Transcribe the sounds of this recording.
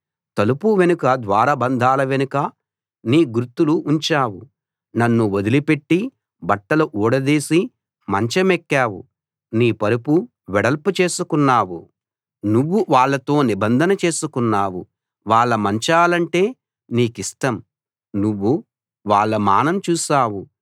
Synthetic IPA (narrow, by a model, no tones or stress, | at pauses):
t̪ɐlupuʋe̞nukɐd̪ʋaːɾɐbɐnd̪ʱaːlɐʋenukɐ | niːɡuɾt̪ːuluːɲt͡ʃaːwu | nɐnːuod̪ilipe̞ʈːi | bɐʈːɐluʔuːɽɐd̪iːsi | mɐɲt͡ʃɐmekːaːwṵ | niːpɐɾupu | ʋɛɽɐlput͡ʃe̞ːsukunːaːwu | nuʋːuʋaːɭːɐt̪o̞ːnibɐnd̪ʱɐnɐt͡ʃe̞ːsukunːaːwu | ʋaːɭːɐmɐɲt͡ʃaːlɐɳʈe̞ː | niːkisʈɐm | nuʋːu | ʋaːɭːɐma̰ːnɐmt͡ʃuːsaːwu